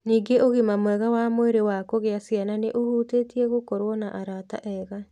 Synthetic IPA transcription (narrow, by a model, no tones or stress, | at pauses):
niːɡeoɣimamowɛɣawamoeɾewakoɣeasiananeʔohuːtetiɛɣokɔɾwɔnaʔaɾata̰ʔɛːɣa